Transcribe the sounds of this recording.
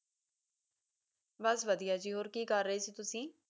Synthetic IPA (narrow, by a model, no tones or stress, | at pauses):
bəsʋəd̪ijaːd͡ʒiːɦoːɾkiːkəɾːəiːsiːt̪ʊsĩː